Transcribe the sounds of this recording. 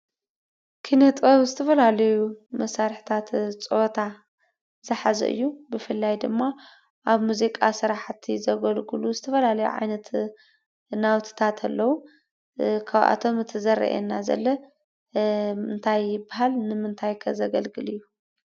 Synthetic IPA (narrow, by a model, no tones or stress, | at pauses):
kʰinɐt̪ʼoβzɨt̪ʰɐfɐlalɐjumɐsaɾħit̪ʰat̪t͡sʼɨot̪ʰa | zɨħazɐ̰ʔɨ̰jːubɨfɨlːajd̪ɨmːa | ʔaβmuzikʼasɨɾaħt̪ʰizɐɡɐlɡɨluzɨt̪ʰɐfɐlalɐjṵʕa̰jnɐt̪ | nawt̪ʰɨ̥t̪ʰat̪ʰalːɐwu | kʰaβʔa̰t̪ʰo̞mɨt̪ʰɐzɐɾɐ̰ʔḛnːazɐ̰lːɐ | mɨnt̪ʰajːɪbaɦalnɨmɨnt̪ʰajkʰɐ̰zɐɡɐlɡɨlɨjːu